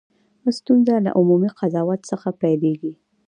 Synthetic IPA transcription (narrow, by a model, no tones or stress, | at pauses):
xəst̪unzala̰ʔʊmumiqʰazɑwat̪səxapajleɡi